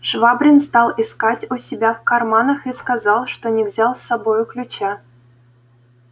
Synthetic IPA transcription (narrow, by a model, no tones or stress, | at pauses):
ʂvɑbrʲɪnst̪ɑlˠiskɑtʲusʲibʲæfkɑrmɑnə̆xiskɑzɑlˠʂt̪onʲɪvzʲɑlˠsɑbojʊklʲut͡ɕæ